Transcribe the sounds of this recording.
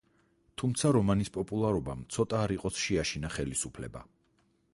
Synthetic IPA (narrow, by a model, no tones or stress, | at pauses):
t̪ʰumt̪sʰaɾɔmanispʼɔpʼulˠaɾɔba̰mt̪sʰɔt̪ʼaːɾiqʼɔsʃɛaʃinaχɛlisupʰlɛba̰